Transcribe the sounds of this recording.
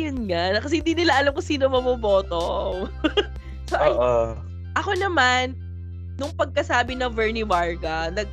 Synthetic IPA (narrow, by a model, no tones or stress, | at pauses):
jʊnŋanɐkɐsɛhɪnd̪iːnɪlaʔɐlamkʊsiːnomɐmoboːt̪o | soʔʔɐj | ʔɐko̞nɐmanː | ʊŋpɐɡ̚kɐsaːbɪnɐŋvɛɹnɪbaɹɡɐnɐɡ̚